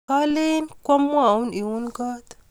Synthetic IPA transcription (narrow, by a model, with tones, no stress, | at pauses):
ka˦le˦nkʷa˦mː˦a˨u˦ni˨wu˦nɡa˦t̪